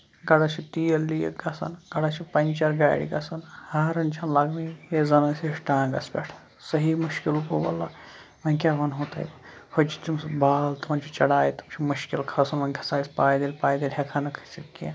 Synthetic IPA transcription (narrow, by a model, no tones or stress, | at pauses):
ɡɐɽɐt͡ʃʰit̪ijɐlːijɐ̰ɡɐsɐ̰nɡɐɽɐt͡ʃʰipɐnʲt͡ʃɐɾɡaːɽḭɡɐsɐnhaːɾɐnt͡ʃʰɐnlɐɡmijezɐnɐsʲeʃʈãːɡɐ̰spʲeʈʰ | sɐɦimuʃkilukobɐ̰lːɐ | mɐnʲkʲaːɦɐnɦot̪ɐ̰jpʰɐt͡ʃi̥t̪imsbaːlt̪umɐnt͡ʃʰit͡ʃɐɽaːjit̪umt͡ʃʰimuʃkilkʰɐsɐnmɐnʲkʰɐ̥saːispaːjd̪elʲpaːjd̪elʲɦʲɐkʰanɐkʰɐsitkʲĩ